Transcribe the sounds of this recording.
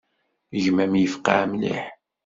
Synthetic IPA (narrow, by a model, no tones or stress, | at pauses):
ʝmæmjəfqa̰ʕmlḭħ